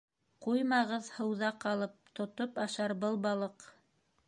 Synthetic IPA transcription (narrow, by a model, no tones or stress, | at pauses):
qujmɑʁɤðhɤ̆wðɑqɑlˠɤp̚t̪ŏt̪opɑʃɑɾbɤlˠbɑlˠɤq